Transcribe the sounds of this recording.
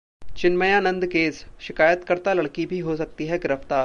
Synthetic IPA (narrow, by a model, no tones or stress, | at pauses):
t͡ʃɪnməjaːnə̃nd̪keːsʃɪkaːjət̪kəɾt̪alɐɽkibʱiɦosɐk̚t̪iɦɛɡɪɾəft̪aːɾ